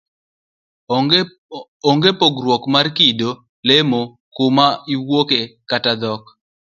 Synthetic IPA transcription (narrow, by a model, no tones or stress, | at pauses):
oŋɡepoɡɾwɔkmarkido | lemo | kʊmaiwokekatad̪ɔk